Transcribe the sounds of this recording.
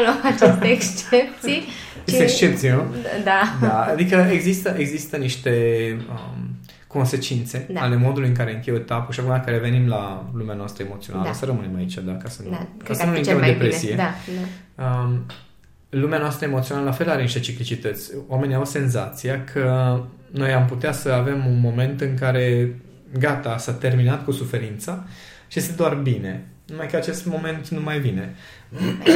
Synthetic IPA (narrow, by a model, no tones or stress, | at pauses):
loat͡ʃet̪eːkst͡ʃep̚t̪sij | t͡ʃet̪ekst͡ʃe̞p̚t̪sijnud̪ad̪aad̪ikəeɡzist̪əʔeɡzist̪əniʃt̪e̞ə̰ | ko̞nse̞t͡ʃint̪se̞d̪aale̞mo̞d̪ulujɨŋkaɾe̞ɨŋkʲejot̪apuʃiakumeaŋkaɾeve̞nimlalumeanoast̪ɾəemo̞t̪sio̰naəsəɾəmɨnemait͡ʃad̪akasənkasənuĩŋemd̪epɾesijeaaə | lumeanoast̪ɾəemot̪sionaləlafe̞laɾenʃet͡ʃiklit͡ʃit̪ət̪sʲwame̞niawse̞nzat̪sijakʰəno̞jamput̪easəave̞munmo̞me̞nt̪ɨŋkaɾe̞ | ɡat̪asat̪e̞rminat̪kusufe̞ɾint̪sa | ʃijest̪ed̪oarbine̞numajkəat͡ʃe̞st̪mo̞me̞nt̪numajvine̞